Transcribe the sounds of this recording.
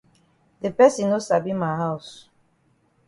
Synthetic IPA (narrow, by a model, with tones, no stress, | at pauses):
de˨pɛ˦sĩ˨no˦sa˨bi˦ma˨ɦa˦ʊs